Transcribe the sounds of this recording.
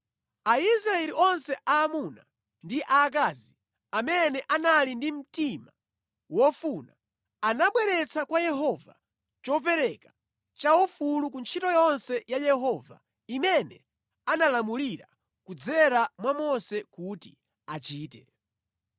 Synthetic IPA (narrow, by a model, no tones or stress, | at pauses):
aisɾaɛliʔɔnsɛʔaːmuna̰ | ndiʔaːk̬aːzi | amɛnɛʔanalindim̩tima | wɔfuna | anaɓwɛɾɛt͡sakwajɛɦɔva̰ | t͡ʃɔp̬ɛɾɛka | t͡ʃawɔfulukunt͡ʃʰitɔjɔnsɛjajɛɦɔva̰ | imɛnɛ̰ | analamuliɾa̰ | kud͡zɛɾamwamɔsɛkuti | at͡ʃiːtɛ